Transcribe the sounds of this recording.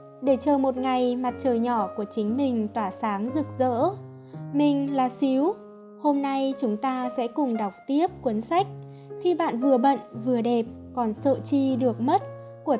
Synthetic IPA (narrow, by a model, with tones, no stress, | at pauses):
ɗe˧˩t͡ɕəː˨˩mo˨˩t̚ŋa˨˩jma˨˩t̚t͡ɕəː˨˩jɲɔ˧˩ku˧˩ət͡ɕï˨˦ŋ̟mï˨˩ŋ̟t̪waː˧˩saː˨˦ŋzɨ˨˩k̚zə̰ː˧˥ | mï˨˩ŋ̟laː˨˩si˨˦w | ho˧mna˧jt͡ɕʊ˨˦ŋ͡mt̪aː˧sɛ̰˧˥kʊ˨˩ŋ͡mɗa˨˩wk͡p̚t̪i˦˥əp̚kwə˨˦nsa˦˥jk̟̚ | xi˧ɓa̰ː˧˨nvɨ˨˩əɓə̰˧˨nvɨ˨˩əɗe˨˩p̚ | kɔ˨˩nsə̰ː˧˨t͡ɕi˧ɗɨ˨˩ək̚mə˦˥t̚ | ku˧˩ə